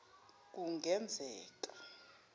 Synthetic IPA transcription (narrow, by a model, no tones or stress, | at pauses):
k̬ʼuŋɡʱɛnd͡zʱɛːk̬ʼa